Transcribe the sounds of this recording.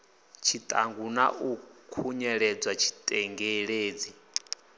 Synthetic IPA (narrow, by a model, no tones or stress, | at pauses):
t͡ʃʰit̪ʼa̰ŋɡunaʔukʰuɲɛɺɛd͡zwat͡ʃʰi̥t̪ʼɛŋɡɛɺeːd͡zi